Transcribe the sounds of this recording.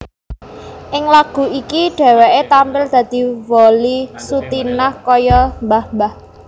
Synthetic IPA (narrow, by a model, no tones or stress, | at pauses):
ʔɪŋlaɡ̥ṳikiɖ̥ɛ̤wɛʔet̪ampɪld̪̥ä̤d̪̥i̤wolisut̪inahkɔjɔmbahmbah